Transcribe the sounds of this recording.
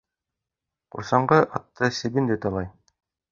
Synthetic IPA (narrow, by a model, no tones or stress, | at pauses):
qṵɾsɑɴɢɤʔɑt̪ːɤsɘ̆bind̪ɘt̪ɑlˠɑj